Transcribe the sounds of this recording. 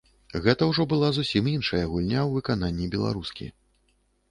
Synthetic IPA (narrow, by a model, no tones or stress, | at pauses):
ɣɛt̪ɐwʐɔbɨlˠazusʲiminʂɐjɐɣulʲnʲawvɨkan̪anʲːibʲɛlˠa̰ɾuskʲḭ